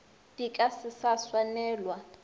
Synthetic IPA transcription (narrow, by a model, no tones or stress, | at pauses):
d̥ikʼasɪsaswanɛːlwa